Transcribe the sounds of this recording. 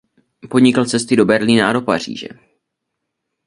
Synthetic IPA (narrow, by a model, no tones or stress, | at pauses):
po̞dɲɪkal̩t͡sɛst̪ɪdo̞bɛɾliːnaado̞pa̰r̝ḭːʒɛ̰